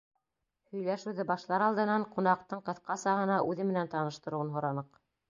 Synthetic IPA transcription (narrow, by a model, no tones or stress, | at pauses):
hɵ̆jlæʃʉðɘbɑʃlˠɑɾɑlˠd̪ɤ̆nɑɴqunɑq̚t̪ɤɴqɤ̆θqɑsɑɦɤ̆nɑʔʉðɘmɘ̆nænt̪ɑnɤ̆ʃt̪ɤ̆ɾŭwɤnɦŏɾɑnɤq